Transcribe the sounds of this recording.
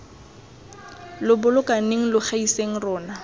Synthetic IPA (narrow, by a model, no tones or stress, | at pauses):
lʊbʊlʊkaneŋ̩lʊχaiseŋ̩rɔːna